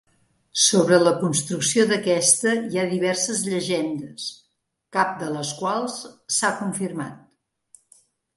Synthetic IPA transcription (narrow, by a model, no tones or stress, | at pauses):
soβɾələkunst̪ɾuksioðəkɛst̪əiaðiβɛrsəzʎəʒɛnd̪əs | kap̚d̪ələskwalˠsːakuɱfirma̰t̪̚